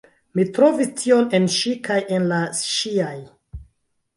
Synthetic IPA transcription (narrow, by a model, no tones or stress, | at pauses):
mitɾo̞vistʰio̞nenʃikajʔenlaʃiaj